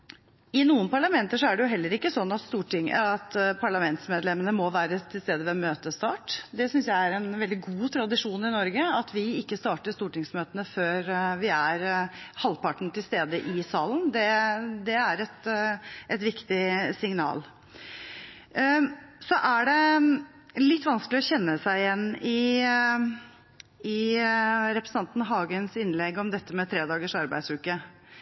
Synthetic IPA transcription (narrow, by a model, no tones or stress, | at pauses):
ɪnuːənpɑɭɑmɛnt̪əʂɔæɖɛjʊɦɛlːəɾɪkːəsɔnːɑt̪st̪uːʈɪŋɑt̪pʰɑɭɑmɛnt̪smeːd̪lɛmənəmɔʋæːɾət̪ʰɪlst̪eːd̪əʋɛmøːt̪əst̪ɑːʈd̪ɛsʏnsjæɪæɾɛnʋɛld̪ɪɡuːt̪ʰɾɑd̪ɪʂuːnɪnɔɾɡəɑt̪ʋɪɪkːəst̪ɑːʈəʂst̪uːʈɪŋsmøːt̪ənəføːɾʋɪæɾhɑlːpɑʈɳ̩t̪ʰɪlst̪eːd̪əʔɪsɑːlənd̪ɛd̪ɛæɾɛt̪ʔɛt̪ʋɪkt̪ɪsɪŋnɑ̰ːl | sɔʔæɖɛ | lɪt̪ːʋɑnsklɪɔçɛnːəsæɪɪjɛnːɪ | ɪ | ɾɛpɾəsəɑnt̪n̩ɦɑːɡənsɪnlɛɡɔmd̪ɛt̪ːəmɛt̪ʰɾeːd̪ɑːɡəʂɑɾbæ̰ɪd̪sɾʉːkə